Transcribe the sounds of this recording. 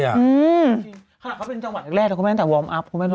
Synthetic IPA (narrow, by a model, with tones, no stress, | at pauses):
ʔɯː˧ | kʰa˥˩kʰa˦˥wpe˧nt͡ɕa˧ŋwa˨˩t̪̚ːɾɛː˥˩k̚a˨˩k̪ːt̪ːɛ˨˩wɔː˧mʔa˦˥p̚kʰu˧m˥˩